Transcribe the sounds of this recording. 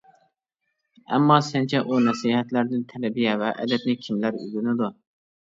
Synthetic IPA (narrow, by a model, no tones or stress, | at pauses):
æ̰mːɑsɛnt͡ʃʰɛʔunɛsiɦɛt̪læɾd̪ɪnt̪ʰɛlɛbijɛvɛʔɛ̰d̪ɛt̪nɪkʲʰimlæɾy̰zynɪd̪u